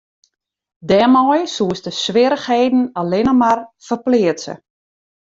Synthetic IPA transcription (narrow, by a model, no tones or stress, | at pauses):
dɛːmɔjsuəstəsʋɪɾəxheːdn̩alɪnəmarfərplɪətsə̰